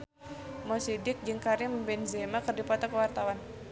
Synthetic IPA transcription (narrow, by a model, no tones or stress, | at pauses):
mɔsidɪk̚d͡ʒɨŋkaɾɪmbɛnzemakərdipat̪akəwart̪awan